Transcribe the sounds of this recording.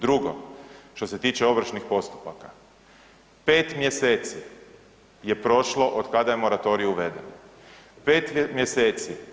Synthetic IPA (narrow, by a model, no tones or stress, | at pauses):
d̪ɾuɡo̞̰ʃt̪o̞se̞t̪iːt͡ʃeo̞ʋɾ̩ʃnixpo̞st̪u̥paka | pe̞ːt̪mje̞seːt̪si | je̞pɾo̞ʃlo̞ʔod̪kad̪ajemo̞ɾat̪o̞ɾijuuʋe̞d̪eno | pe̞ːt̪mje̞seːt̪si